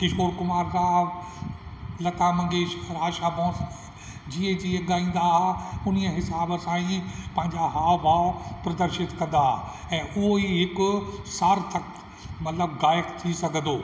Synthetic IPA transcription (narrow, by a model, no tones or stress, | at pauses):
kɪʃoːɾkʊmaːɾsaː | lɐt̪amɐ̃ŋɡeːʃɾaːʃaːbɔ̃ːs | d͡ʑiːə̃d͡ʑiːẽɠaːĩːnd̪aɦʊniəɦɪsaːbəsãːĩpɐ̃ɦɪ̃ɲd͡ʑaɦaːʋaːpɾɐd̪əɾʃɪt̪kɐ̃nd̪aː | ɛ̃ːʔʊɦoiɦɪkʊsaːɾt̪ʰɐk | mɐt̪ləbɡaːjəkt̪ʰisɐɡʱə̃nd̪oː